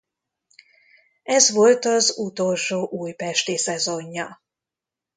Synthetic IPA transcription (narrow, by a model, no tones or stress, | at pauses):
ɛzʋo̞lt̪ɒzut̪o̞lʃoːʔuːjpɛʃt̪isɛzo̞ɲːɒ